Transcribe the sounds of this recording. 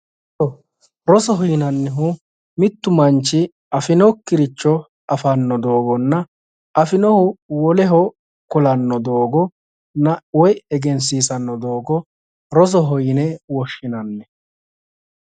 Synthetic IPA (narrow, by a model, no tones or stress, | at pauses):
ɔ | ɾɔsɔɦɔjnɐnːɛɦʊ | mɪt̪ːʊmɐnt͡ʃːɪ | ɐfɪnɔkːɪɾɪt͡ʃːɔ | ɐfɐnːɔd̪o̞ːɡɔnːɐ | ɐfɪnɔhʊwɔlɛɦɔ | kʊlɐnːɔd̪o̞ːɡɔ | nɐwɔjɛɡɛnsiːsɐnːɔd̪o̞ːɡɔ | ɾɔs̬ɔɦɔjnɛwɔʃːɪnɐnːɛ